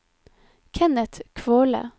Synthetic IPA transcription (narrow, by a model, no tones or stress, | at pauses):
kʰɛnət̪kʰʋoːlə̰